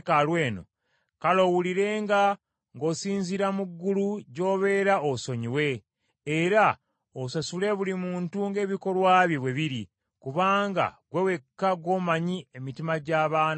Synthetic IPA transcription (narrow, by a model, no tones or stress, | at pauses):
kalweːno̰ | kalo̞wuliɾe̞ːŋɡa | ŋɡo̞siːɲziɾamuɡːuluɟo̞ːβe̞ːɾaoso̞ɲiwe̞ː | ɾa | osasule̞βulimuːntuŋɡe̞ːβiko̞lwaːβjiβweβiɾi | kuβaːŋɡa̰ɡwe̞we̞kːaɡwo̞ːmaɲiemitimaɟaːβaːn